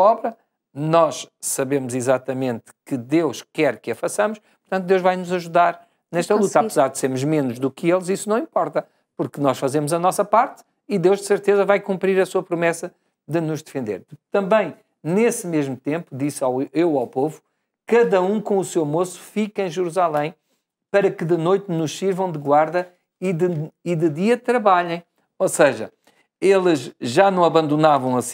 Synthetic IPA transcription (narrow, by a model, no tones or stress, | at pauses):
ɔβɾɐ | nɔʃsɐβemuzizat̪ɐmẽnt̪kɨd̪ewʃkɛɾkɨɐfɐsɐmuʃppuɾt̪ɐ̃nt̪ud̪ewʒvajnuzɐʒuðaɾ | nɛʃt̪ɐlˠut̪ɐaɨzaɾd̪seɾmuʒmenuʒðukelˠzisunɐ̃w̃ĩmpɔɾt̪ɐ | puɾknɔʃfɐzemuzɐnɔsɐpaɾt̪ | iðewʒd̪ɨsɨɾt̪ezɐvajkũmpɾiɾɐsuɐpɾumɛsɐ | ðɨnuʒd̪ɨfẽnd̪ḛɾd̪t̪ɐ̃mbɐ̃j̃ | nesmeʒmut̪ẽmpud̪isawewawpovu | kɐðɐũkõusewmosu̥fikẽj̃ʒɨɾuzalˠɐ̃j̃ | pɐɾɐkɨðɨnojt̪nuʃsiɾvɐ̃w̃d̪ɨɣwaɾðɐ | iðɨiðɨðiɐt̪ɾɐβaʎɐ̃j̃ | osɐʒɐ̰ | elˠɨʒʒanɐ̃w̃ɐβɐ̃nd̪unavɐ̃w̃ɐs